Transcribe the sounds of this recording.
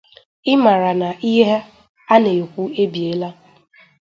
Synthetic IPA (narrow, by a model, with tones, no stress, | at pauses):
ɪ˦ma˨ɾa˨na˨ʔi˦ɦe˦ɦe˦ | a˦ne˨kʷu˦e˦bi˨e˨˦la˦